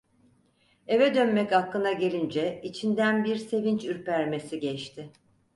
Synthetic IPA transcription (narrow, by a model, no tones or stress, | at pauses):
e̞vɛd̪ø̞nmɛchakːˠɯnaɟe̞lʲind͡ʒɛit͡ʃʰind̪ænbiɾse̞vint͡ʃyɾpæɾme̞siɟɛt͡ʃt̪ʰɪ